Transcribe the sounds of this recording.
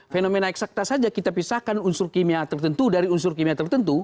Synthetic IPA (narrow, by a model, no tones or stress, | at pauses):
fenomenaɛksak̚t̪asad͡ʒakit̪apisahkanunsʊrkimiat̪ərt̪ənt̪udaɾiunsʊrkimiat̪ərt̪ənt̪u